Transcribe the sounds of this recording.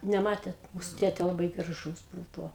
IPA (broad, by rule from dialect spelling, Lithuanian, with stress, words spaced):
nʲɛˈmɑːtʲeːt ˈmuːsʊ ˈtʲeːtʲeː lˠɐˈbɐɪ ɡrɐˈʒuːs ˈbuːʋoː